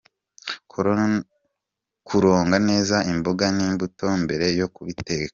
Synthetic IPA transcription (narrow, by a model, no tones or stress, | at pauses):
kuɾo̞ːŋɡane̞ːzaimboɡaniːmbuto̞mbe̞ɾe̞jo̞kuβite̞ka